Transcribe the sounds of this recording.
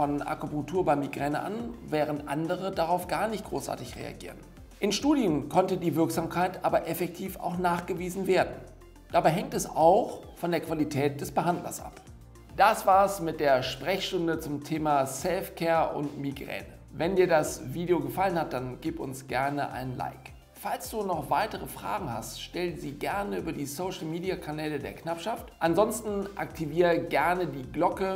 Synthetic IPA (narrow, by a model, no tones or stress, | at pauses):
fɔnʔa̰kopʊŋtʰuːɐbaɪmiɡʁɛːnə̰ʔa̰nvɛːʁ̞əntʔa̰ndəʁ̞ədaʁaʊfɡ̥aːɐnɪçt̚ɡ̥ʁo̰ːsʔa̰ɐtɪçʁḛa̰ɡḭːʁən | ʔɪnʃtuːdjənkʰɔntədiːvɪɐkz̥aːmkʰaɪtʔaːbɐʔɛfɛk̚tʰiːfa̰ʊxnaːχɡ̥əviːzn̩veːɐdn̩ | d̥abaɪɦɛŋtɛsaʊxfɔndeːɐkv̥alitʰɛːt̚d̥ɛsb̥əɦandlɐ̰sʔa̰p | d̥asv̥aːɐsmɪt̚d̥eːɐʃpʁ̥ɛçʃtʊndət͡sʊmtʰeːmasɛlfkʰɛːɐʔʊ̰ntmiɡʁɛ̰ːnə | vɛndiːɐdasviːdeoɡəfalənhat̚d̥anɡiːpʊ̰nsɡ̥ɛɐnəʔa̰ɪnənla̰ɪk | falsd̥uːnɔχv̥aɪtəʁəfʁ̥a̰ːɡŋ̩ha̰stʃtɛlənziːɡɛɐnəʔy̰ːbɐdiːsoʊʃl̩miːdiakʰanɛːlədḛːɐknapʃaftʔanzɔnstn̩ʔa̰k̚tʰiviːʁəɡɛɐnədiːɡlɔkə